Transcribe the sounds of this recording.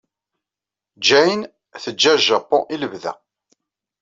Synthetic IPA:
d͡ʒæjn | θəd͡ʒːæʒæpːɔ̰̃ʔiləvðæ̰

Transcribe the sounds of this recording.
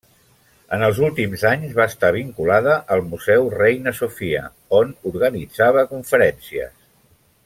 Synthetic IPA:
ənəlˠzulˠt̪imzaɲzβaəst̪aβ̞iŋkulaðəʔəlˠmuzɛwrejnəsufiə̰ | onuɾɣənid͡zaβ̞əkuɱfəɾɛnsiə̰s

